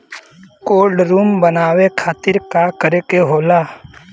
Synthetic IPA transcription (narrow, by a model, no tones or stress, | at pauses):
koːlɖɾuːmbənaːwekʰaːt̪ɪɾkakəɾekeɦoːlaː